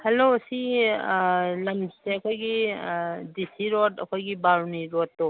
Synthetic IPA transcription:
hɐlosi | lɐmseɐkʰojɡi | disiɾotɐkʰojɡibaɾniɾotːo

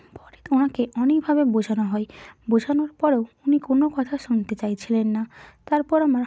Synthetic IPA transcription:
pɔɾit̪onakeʔɔnekbʱabebod͡ʑʱanoɦɔebod͡ʑʱanoɾpɔɾeounikonokɔt̪ʰaʃunt̪et͡ɕajt͡ɕʰilenːat̪aɾpɔɾamaɾ

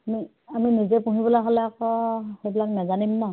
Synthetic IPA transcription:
ami | aminizɛpũɦibɔlaɦolɛakɔhejbilaknazanimnɔ

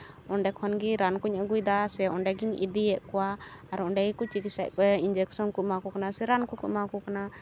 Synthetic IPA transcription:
ɔɳɖɛkʰɔnɡiɾankuɲəɡujd̪asɛɔɳɖɛɡiɲḭd̪iɛʔkɔwaaɾɔnɖɛikut͡ʃikisaʔkɔɛind͡ʒɛksɔnkuʔ̚makɔkanasɛɾankukuʔ̚makɔkana

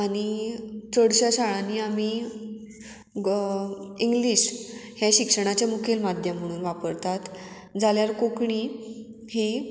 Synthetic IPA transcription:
añit͡səɽɕaɕaɭanːiːami | iŋɡliɕhjaɕikʂəɽ̃at͡ɕjamukʰelmad̪ʱjəm̤ːəɽ̃uːnʋapəɾt̪at̪ | d͡zaljaɾkokɳi | hi

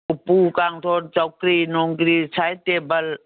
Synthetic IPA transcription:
ʊpukaŋt̪ʰoːɽt͡ʃɔkɾinoŋɡɾit͡sʰajt̪ebəl

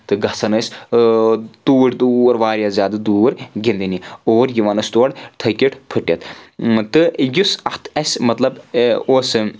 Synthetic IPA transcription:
t̪ɨɡɐsɐnɐsʲ | t̪uːʈʰʲd̪uːɐɾʋaːɾʲjazʲaːd̪ɨd̪uːɾɡʲind̪inioːɾjiʋanɐsʲt̪uɐɽt̪ʰɐkʲiʈʰpʰɨʈːjɐt̪t̪ɨjusɐht̪ʰɐsʲmɐt̪lɐboːs

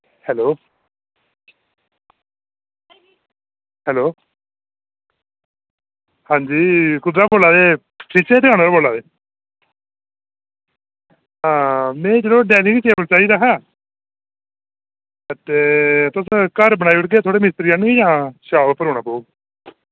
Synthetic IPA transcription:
hɛːloː | hɛːloː | hãːɲd͡ʒiːkʊd̪ɾaːpoːlaːd̪eː | pʰɪt͡ʃeːd̪ɪkãːñaːɾaːboːlaːd̪eː | ɦãːmɛ̃ːd͡ʒəlõːɖɛːniːkit͡ʃeːbəlt͡ʃaːiːd̪aːɦɛ̃ː | ət̪eːt̪ʊskəɾbənaːiːʊʈɡeːt̪ʰoːɽeːmɪst̪ɾiːanɡiːd͡ʒãːʃaːʋpəɾoːñaːpoːɡ

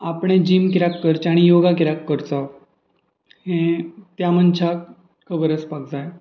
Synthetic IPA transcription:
apɽ̃ẽd͡ʑiːmkɾakːəɾt͡ɕaɽ̃ijoɡakiɾakːəɾt͡sa | hẽt̪jamənt͡ɕʰak | kʰəbəɾət͡spak̚d͡zaj

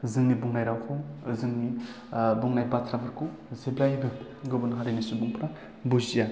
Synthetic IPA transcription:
zɯŋnibuŋnajɾawkʰɔzɯŋni | buŋnajbatʰɾabɯɾkʰu | zeblajbɯɡɯbɯnɦaɾinisubuŋpɾa | buzija

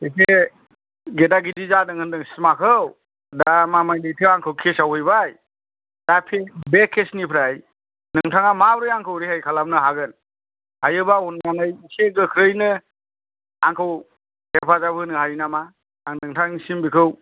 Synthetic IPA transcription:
ɯjse | ɡedaɡidizadɯŋɯndɯŋsi̥makʰɯw | damamajdɯjtʰɯaŋkʰɯwkʰesawɯjbaj | dapʰebekʰːesnipʰɾaj | nɯŋtʰaŋamabɾɯjaŋkʰɯwɾihajkʰalamnɯɦaɡɯn | hajɯbaunɡanɯjiseɡɯkʰɾɯjnɯ | aŋkʰɯw | hepʰazabʰɯnɯhaɾinamaː | ŋdɯŋtʰaŋnisimbikʰɯw

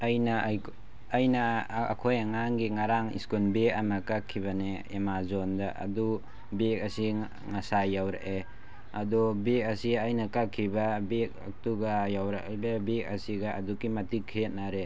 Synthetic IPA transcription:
ajnaː | jna̰ːkʰojaŋaŋɡiŋaɾaŋḭskunbekamakakʰːiβane | emazɔndaʔa̰du | bek̚asi | ŋasajawɾa̰ʔe | adɔbekɐsiajnɐkakʰːibabek̚a̰k̚tuɡajawɾa̰ʔbabek̚ɐsiɡaadukimatikʰːet̚naɾe

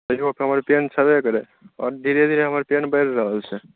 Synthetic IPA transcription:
t̪əokɦəməɾpent͡ʃʰəbekəɾe | ɔ̰ːɾd̪ʱiɾed̪ʱiɾeɦəməɾpenbəɾːəɦəlt͡ʃʰɛ

